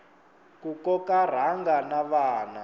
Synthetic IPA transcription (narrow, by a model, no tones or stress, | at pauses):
kukɔkar̤aŋɡanaβaːna